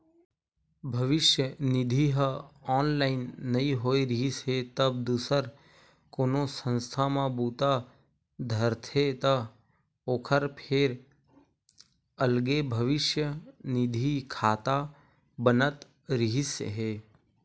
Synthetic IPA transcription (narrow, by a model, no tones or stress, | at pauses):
bʱɐʋɪʃjənɪd̪ʱiɦəɔːnlaːɪnːɐĩɦoːiɾɪɦisɦet̪əb̚d̪uːsəɾ | koːnõsə̃nst̪ʰamãbuːt̪a | d̪ʱəɾt̪ʰet̪ɐ | oːkʰəɾpʰeɾ | əlɡebʱəʋɪʃjənɪd̪ʱikʰaːt̪a | bənət̪ | ɾɪɦisɦeː